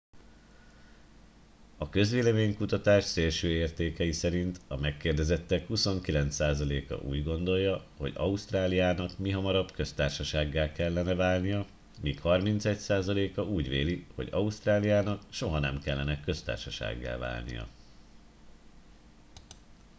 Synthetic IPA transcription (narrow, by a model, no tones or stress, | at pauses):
ɒkø̞zʋeːlɛmeːɲkut̪ɒt̪aːʃseːlʃøːeːrt̪eːkɛjisɛɾint̪ɒmɛkːeːrd̪ɛzɛt̪ːɛkhuso̞ŋkilɛnt̪saːzɒleːkɒ̰ʔṵːɟɡo̞n̪d̪o̞jːɒho̞ɟɒ̰uʃt̪raːlijaːnɒkmiɦɒmɒɾɒbkø̞st̪aːrʃɒʃaːɡːaːlkɛlːɛnɛvaːlnijɒ | miːkhɒrmint̪sɛcsaːzɒleːkɒuːɟʋeːliho̞̰ɟɒust̪raːlijaːnɒkʃo̞ɦɒnɛmkɛlːɛnɛkø̞st̪a̰ːrʃɒʃa̰ːɡːa̰ːlva̰ːlnḭjɒ̰